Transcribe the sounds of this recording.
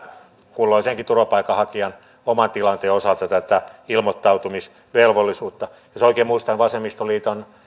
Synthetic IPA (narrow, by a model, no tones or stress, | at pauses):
kulːolseŋkit̪urʋɑpɑikːɑhɑkiɑn | omɑnt̪ilɑnt̪eːosɑlt̪ɑt̪æt̪æilmot̪ːɑut̪umis | ʋelʋolːisuːt̪ːɑ | josoikeːmmuist̪ɑnʋɑsemist̪oliːt̪on